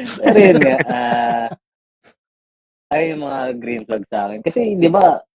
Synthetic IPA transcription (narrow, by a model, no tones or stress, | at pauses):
pɛːɾojʊnŋaʔa | ʔɐjojʊŋmɐŋaɡɾimlɐɡ̚sɐa̰ːkɛnkɐsɛd̪ɪba